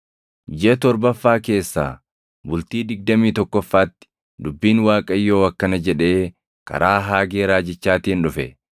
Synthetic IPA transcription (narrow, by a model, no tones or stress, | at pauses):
d͡ʒɛt̪ɔɾbɐfːaːke̞ːsːa̰ː | bʊlt̪iːd̪ɪɡ̚d̪ɐmiːt̪ɔkːɔfːaːt̪ːɪ̥ | d̪ʊbːiːnwaːkʼɐjːo̞ːɐkːɐnɐd͡ʒɛᶑe̞ː | kʰɐ̰ɾaːɦaːɡeːɾaːd͡ʒɪt͡ʃːaːt̪ɪːnᶑʊfɛ